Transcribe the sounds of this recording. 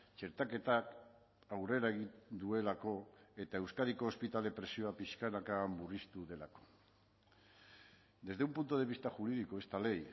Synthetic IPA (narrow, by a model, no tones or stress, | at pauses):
t͡ʃe̞ɾt̪ake̞t̪ak | awre̞ɾaeɣ̞ind̪ue̞lako̞e̞t̪ae̞wskaɾiko̞ːspit̪alepɾe̞sio̞apiʃkanakamburist̪uðe̞lako̞̥ | d̪e̞zðe̞umpunt̪oð̞e̞β̞ist̪aʝuɾiðiko̞e̞st̪ale̞j